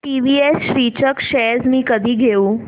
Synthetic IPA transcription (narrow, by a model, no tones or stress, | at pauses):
ʈiʋiesɕɾit͡ɕəkɕɛsmiːkəd̪ʱiːɡʱeũ